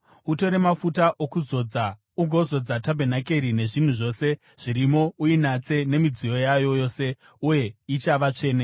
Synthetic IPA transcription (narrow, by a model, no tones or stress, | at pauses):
uto̞ɾe̞mafutaʔokuzo̞d͡za | uɡʱo̞zo̞d͡zatabʱenake̞ɾine̞ʐin̤uʐo̞ːse̞ | ʐ̥iɾimo̞uinat͡se̞ne̞mid͡zijo̞jajo̞jo̞ːse̞ | uje̞it͡ʃaʋat͡ʂe̞ːne